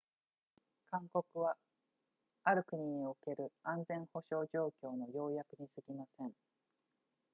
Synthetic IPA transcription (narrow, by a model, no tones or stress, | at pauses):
kãŋkokɯ̟βa | aɾɯ̟kɯ̟ɲ̟iooke̞ɾɯ̟ãnd͡zẽ̞ɰ̃ho̞ɕo̞ːʑo̞ːkʲo̞ːno̞jo̞ːjakɯ̟ɲ̟isɨɡʲimasẽ̞ŋ